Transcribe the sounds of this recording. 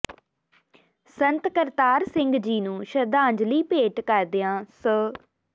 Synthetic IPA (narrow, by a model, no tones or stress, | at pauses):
sənt̪kəɾt̪aːɾsɪ̃ŋɡd͡ʒiːnũːʃəɾd̪ãːɲd͡ʒliːpeːʈkəɾd̪ɪjãːsəː